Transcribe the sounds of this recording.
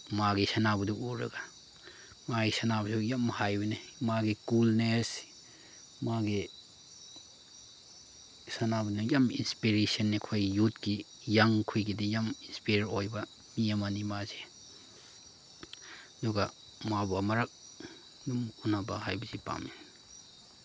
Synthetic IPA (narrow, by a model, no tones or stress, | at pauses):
maɡisɐnabɐduuɾɐ̰ɡa | maɡisɐnabɐsujamhajbɐnimaɡikulnes | maɡi | sɐnabɐdujamḭnspiɾesiɐnːikʰojjutki | jaŋkʰujɡidijaminspiɾɾojbɐ | miamanimaze | ɐduɡa | mabamɐɾɐk̚ | dumunabaɦajbɐzipa̰mi